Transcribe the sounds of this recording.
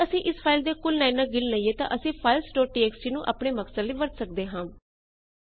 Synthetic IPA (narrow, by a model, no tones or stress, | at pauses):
əsĩːʔɪspʰaːɪld̪eːkʊlnaːɪnːãːɡɪlnaːiːeːt̪ã̰ːʔəsĩːpʰaːɪlsʈoːʈiːɛːksiːnũːʔa̰ːpɳeːməksəliːʋəɾt̪sək̚d̪eːɦãː